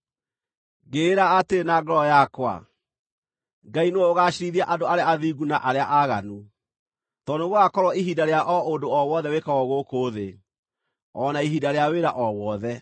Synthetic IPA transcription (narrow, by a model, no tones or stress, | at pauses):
ɡeːɾaːtenaɡɔɾɔjakwa̰ | ŋɡaineoːɣaɕiɾiðiaʔadoaɾeaːðiɡunaʔaɾeaʔaɣa̰nu | tɔneɣoakɔɾwɔiɦidaɾeaʔɔondoɔwɔðɛwekaɔɣokoːðe | ɔnaiɦidaɾeaweɾaʔɔwɔðɛ